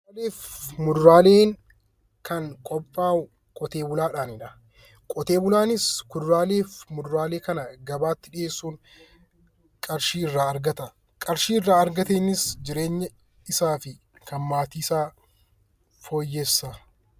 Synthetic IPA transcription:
leːfmʊd̪ʊɾaːle̞ːŋ | kɐŋkʼɔpʼːaːʊ | kʼɔt̪e̞ːbʊlaːᶑaːnɪᶑɐ | kʼɔt̪e̞ːbʊlaːnɪskʊd̪ɾaːle̞ːfmʊd̪ʊɾaːleːkɐnɐɡɐbaːt̪ːɪᶑɪeːsːuːŋ | kʼɐɾʃiːɪrːaːɐɾɡɐt̪ɐ | kʼɐɾʃiːrːaːɐɾɡɐt̪eːnːɪsd͡ʒɪɾe̞ːɲːɐ | ɪsaːfɪ | kʰɐnmaːt̪iːɪsaː | fo̞ːjːɛsːɐ

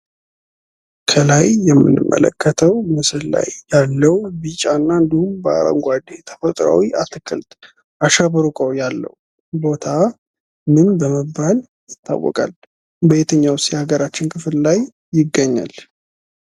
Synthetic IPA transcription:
kʰəlajːɛmːɨ̰nːɨ̰mːʔə̰lə̰kʰːət̪ʰəwmɨsɨlla̰jːalːəwbit͡ʃʼanːaɨnd̪ihumbəa̰ɾə̰ŋɡʷad̪et̪ʰə̥fət̪ʼɾa̰wiʔat̪ʰɨkʰʼɨlt̪ʼ | ʔaʃəβəɾukʼəwjalːə̰w | bo̞t̪ʰa | mɨnbəməbːal | jɪt̪ʰːa̰wːɔ̰kʼal | bəjet̪ʰəɲːawst̪haɡəɾat͡ʃːɪnkʰɨfllajː | ɪɡːəɲːa̰l

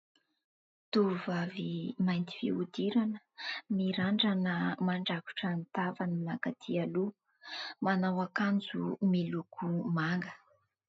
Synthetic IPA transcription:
t̪uvavimajnt̪i̥fḭud̪iɾanə̥miɾaɳɖ͡ʐanəmaɳɖ͡ʐaku̥ʈ͡ʂant̪avaninakat̪ʰialu | manawakand͡zumilukʰumaŋɡə̥

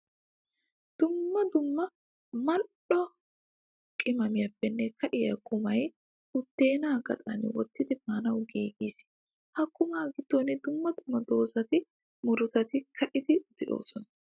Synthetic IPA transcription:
d̪̥ʊmːɐd̪ʊmːɐ | mɐɗɔ | kʼɪmɐmɪjɐpːɛnːɛkɐʔɪjɐkːʊmɐj | ʊt̪ːe̞ːnaːɡɐ̰t̪ʼɐ̰nwɔt̪ːɪd̪ɪmaːnɐwɡiːɡiːs | hɐkːʊmaːɡɪd̪̥ːoːnɪd̪ʊmːɐd̪ʊmːɐd̪o̞ːsɐt̪ɪ | mʊɾʊt̪ɐt̪ɪkʰɐʔɪd̪ɪd̪̥ɛʔo̞̰ːsɔnɐ̥

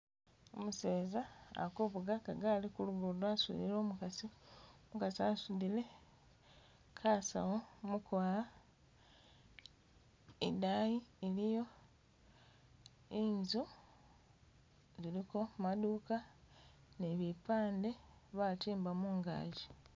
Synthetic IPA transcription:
omuse̞ːza̰ːkoβuɡakaɡaːlikuluɡodwaːsṵðḭlo̞ːmukasiomukasiasuðile̞ | kʰaːsa̰womukwaːa | ḛdaːjielijo̞ | iɲzu | ziliko̞maduːka | neβipaːnde̞βatiːmbamuːŋɡa̰ːɟi

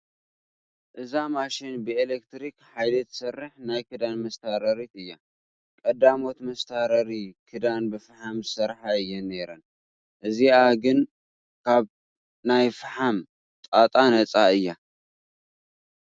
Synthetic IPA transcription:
ʔɨzamaʃɪnbɨelek̚t̪ɾikħajlɐt̪ʰsɐrːɨħnajkʰɨd̪anmɐst̪ʰaɾɐɾit̪ɨjːa | kʼɐd̪amo̞t̪mɐst̪ʰaɾɐɾikʰɨd̪anbɨfɨħamzɨsɐɾħaɨjːɛnːeɾɐn | ʔɨziaɡɨn | kʰaβ | najfɨħam | t̪ʼat̪ʼanɐt͡sʼaɨjːa

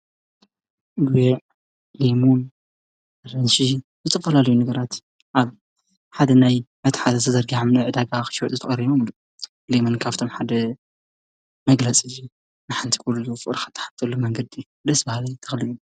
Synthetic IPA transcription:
ɡujɛʕ | lemun | ɾɐnʃizɨt͡s̪ʼɨfɐlalɐjunɐɡɐɾat̪ | ʔaβ | ħad̪ɐnajmɐt̪ʰħat̪at̪ʰɐzɐɾɡiʕamnɐʕɨd̪aɡaxɨ̥ʃwɔt̪ʼɨt̪ɐχʼɐɾiβomlu | lemonkʰaβt̪ʰo̞mħad̪ɐ | mɐɡlat͡sʼid͡ʒi | nɨħant̪ʰi̥kʰluzufɨɾxḁt̪ʰːɐ̥ħḁt̪ʰːɐlumɐŋɡɐd̪i | d̪ɐsbahlɐjt̪ʰɐxliʔu

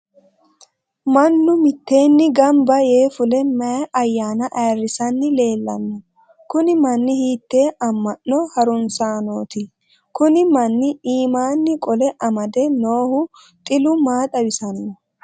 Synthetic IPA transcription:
mɐnːʊmɪt̪ːe̞ːnːɪɡɐmbɐje̞ːfʊlɛmɐʔɐjːaːnɐʔɐjrːɪsɐnːɪle̞ːlːɐ̰nːɔ | kʊnɪmɐnːɪhiːt̪ːe̞ːʔɐmːɐnːɔhɐɾʊnsaːno̞ːt̪ɪ | kʊnɪmɐnːɪiːmaːnːɪkʼɔlɛʔɐmɐd̪ɛno̞ːhʊ | t̪ʼɪlʊmaːt̪ʼɐwɪsɐnːɔ

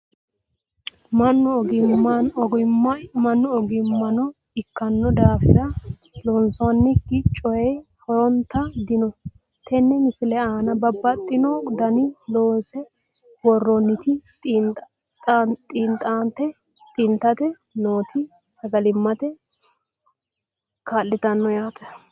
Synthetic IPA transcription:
mɐnːɔɡɪ | mɐnːɔɔɡɪmːɐnɔ | ɪkːɐnːɔd̪aːfɪɾɐ | lɔnsɔwnːɪɡɪt͡ʃʼːɔjɛjhɔɾɔnt̪ɐd̪ɪnɔ | t̪ʰɛnːɛmɪsɪlɛaːnɐbɐbːɐt̪ʼːɪnɔd̪ɐnɪloːnsɛ | wɔrːɔnːɪt̪ɪtʼː | tʼːt̪ʼint̪ʼaːnt̪ɛ | t̪ʼɪnt̪ɐt̪ɛ | no̞ːt̪ʰɪ | sɐɡɐlɪmːɐt̪ɛ | kaːlːɪt̪ɐnːɔjaːt̪ɐ̥

